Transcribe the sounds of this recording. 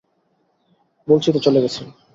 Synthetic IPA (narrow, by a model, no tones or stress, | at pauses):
bolt͡ɕʰit̪ot͡ɕoleɡɛt͡ɕʰe